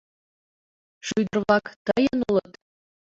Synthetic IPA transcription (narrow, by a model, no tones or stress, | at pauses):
ʃujd̪ɤ̆rβlˠɑkt̪ɤjɤnulˠɤ̆t̪